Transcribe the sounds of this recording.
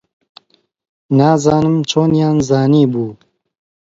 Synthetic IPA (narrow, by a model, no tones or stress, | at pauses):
naːzɑːnɨmt͡ʃʰoːnjaːnzaːniːbuː